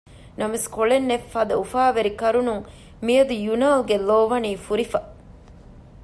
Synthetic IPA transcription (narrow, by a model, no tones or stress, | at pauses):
nɐmeskoɭenːefːɐd̪ɐufaːʋeɾikɐɾunuŋ | mijɐd̪ujunaːlɡeloːʋɐniːfuɾifɐ